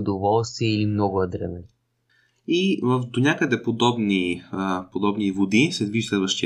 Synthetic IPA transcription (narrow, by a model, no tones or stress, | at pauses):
ʊd̪ovɔlˠst̪iəilimnɔɡʊɐd̪ɾɛ̰mɛ | ivəfd̪onʲakəd̪ɛpod̪ɔbnipod̪ɔbnivod̪isɛd̪viʒislɛd̪vəʃt̪i